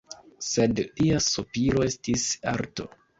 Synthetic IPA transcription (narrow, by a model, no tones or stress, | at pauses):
se̞dliasupiɾo̞e̞stisa̰ɾto̞̰